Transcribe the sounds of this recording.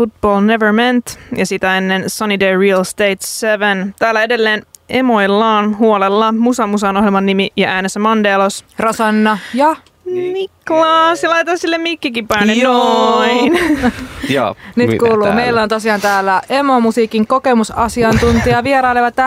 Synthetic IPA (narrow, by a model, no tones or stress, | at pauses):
fut̪̚b̥oːlneʋəɹment̪jɑsit̪æenːensɑnideːɹiɑlst̪ejt̪seʋent̪æːlːæede̞lːe̞ːnemojlːɑːnɦuolelːɑmusɑmusɑnoɦjelmɑnːimijɑʔæːnesæmɑndeːlosrɑsɑnːɑjɑ | miklɑːsilɑjt̪ɑsilːemikːikipːɑjnːeoin̰ː | nyːkuːluːmeilːæont̪osiɑːnt̪æːlːæemo̞musiːkiŋko̞ke̞musɑsiɑnt̪unt̪iɑʋieɾɑjleʋɑt̪ːæ